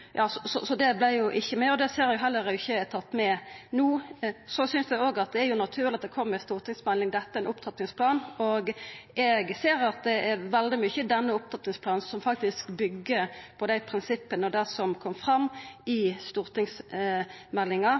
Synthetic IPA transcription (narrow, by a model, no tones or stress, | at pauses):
jʔɑːsɔsɔsɔd̪ɛblæɪjʊʔɪçːəmæɪɔd̪ɛseːɾjʊɦɛlːəɾɛɪçːəɛt̪ʰɑt̪ːmɛnuːsɔsʏnsd̪ɛoːɡɑt̪̚d̪ɛæɾjʊnɑt̪ʰʉːʁlɪɑt̪d̪ɛkʰɔmːəst̪uːɾt̪ɪŋsmɛlːɪŋd̪ɛt̪ːəæɾɛnʊpt̪ʰɑt̪nɪŋspʰlɑːnɔɡɛɡseːɾɑt̪̚d̪ɛæɾʋɛld̪ɪmʏçəd̪ɛnːəʊp̚t̪ʰɑt̪nɪŋspʰlɑːnsɔmfɑk̚t̪ɪskbʏɡːəpʰɔd̪æɪpʰɾɪnsɪpːənəɔd̪æsɔmkʰɔmːfɾɑmːɪst̪uːɾt̪ɪŋs | mɛlːɪŋɑ